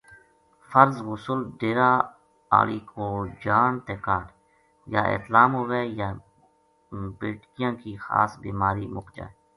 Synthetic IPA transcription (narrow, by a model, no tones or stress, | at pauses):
fəɾzwʊsʊlɖeːɾaː | a̰ːliːkʰoːd͡ʒaːnt̪eːkaːʈ | jaːʔɪ̰t̪laːmɦʊʋeːjaː | beːʈkijãːkiːxa̰ːsbiːmaːɾiːmʊkd͡ʒã̰ː